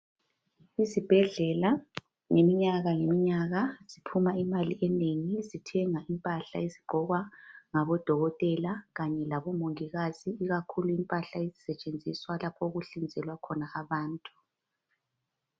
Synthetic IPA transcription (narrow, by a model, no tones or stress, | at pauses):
izib̥ʱɛɮɛla | ŋemiɲaɣaŋemiɲaɣaz̥ipʰumaimaliʔɛneŋizitʰɛŋaʔimpʼaɬa̰iziɡ͡ǃʱɔɣwaŋaβɔd̥ʱɔɣɔtʼɛlaɣaɲɛlaβɔmoŋiɣaziːɣakʰuluimpʼaɬaizisɛt͡ʃʼend͡zʱiswalapʰɔuɣuɬind͡zʱɛlwakʰɔnaaβaːntʼu̥